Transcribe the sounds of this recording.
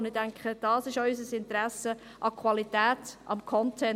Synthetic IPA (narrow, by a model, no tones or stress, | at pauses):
ndɪdæŋkχəd̥ɑːsɪʃɔʏs̬əsɪntɾæsə | ʔɑkʰwɑlitæːtɑ̰mkʰɔntʰɛ